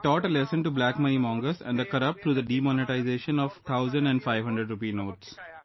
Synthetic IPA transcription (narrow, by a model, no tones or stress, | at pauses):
ʈɔːʈəlɛsə̃nʈublæːkmənimɔ̃ːŋɡəsɛ̰̃ɳɖəkəɾʌp̚ʈt̪ʰɾuːd̪əɖiːmɔːnɪʈaɪzeːʃə̃nɔʋt̪ʰaʊzə̃ɳɖɛ̃ɳɖfaɪʋɦʌ̃ɳɖɾəɖɾʊpiːnoːʈs